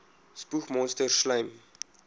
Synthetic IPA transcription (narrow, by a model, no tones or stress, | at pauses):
spuxmɔ̃nstərʃlɛjm